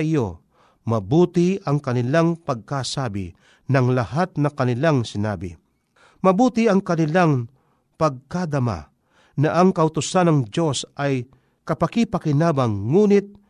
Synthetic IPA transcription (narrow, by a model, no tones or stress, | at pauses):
ɪjo | mɐbuːt̪ɪɐŋkɐnɪlaŋpɐɡ̚kasaːbɪ̰ | nɐŋlɐhat̪̚nɐkɐnɪlaŋsɪna̰ːbɪ̰ | mɐbuːt̪ɪɐŋkɐnɪlaŋ | pɐɡ̚kad̪ɐma̰ | nɐʔɐŋkɐʔʊt̪ʊsanɐŋd͡ʒo̞sʔɐj | kɐpɐkipɐkɪnaːbaŋːuːnɪt̪̚